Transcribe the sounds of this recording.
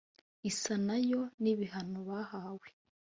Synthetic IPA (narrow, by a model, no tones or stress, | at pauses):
isanajo̞niβiɦanoβahaːwe